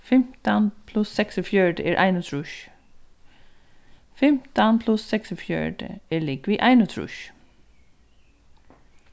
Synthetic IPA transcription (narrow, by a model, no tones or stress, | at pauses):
fɛmt̪ɑnpʰlʉsːɛksɔfjœːɖəeːɹʔæ̰ɪnʊt̪ʰɹʉʃ | fɛmt̪ɑnpʰlʉsɛksɔfjœ̰ɖə̰eːɭiːkʋiːʔæɪnʊt̪ʰɹʉ̰ʃ